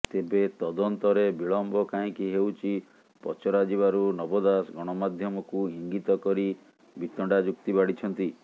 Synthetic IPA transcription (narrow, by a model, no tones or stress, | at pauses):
t̪ebet̪ɔd̪ɔnt̪ɔɾebiɭɔmbɔkaĩkiɦewt͡ʃʰi | pɔt͡ʃɔɾad͡ʒiβaɾunɔbɔd̪asɡɔɽ̃ɔmad̪ʱjɔmɔkuiŋɡit̪ɔkɔɾi | bit̪ɔɳɖad͡ʒukt̪ibaɽit͡ʃʰɔnt̪i